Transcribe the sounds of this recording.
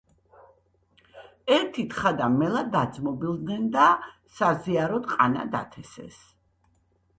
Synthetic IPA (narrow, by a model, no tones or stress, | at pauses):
ɛɾt̪ʰit̪χad̪amɛlad̪ad̪zmɔbilˠd̪nɛnd̪a | saziaɾɔd̪qʼa̰na̰d̪a̰t̪ʰɛsɛ̰s